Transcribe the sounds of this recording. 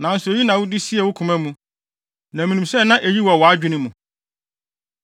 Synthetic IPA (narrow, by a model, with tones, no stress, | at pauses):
nã˨n̩˨sʊ˨o˨ji˦nã˨wʊ˦di˦si˦ɛ˨wʊ˦kʰʊ̃˨mæ̃˦mũ˨ | nã˨mĩ˨nũ˨msɛ˦˨nã˦ʔe˨ji˦wɔ˨wɔ˨a˦d͡ʑᶣɪ˦nɪ̃˦mũ˨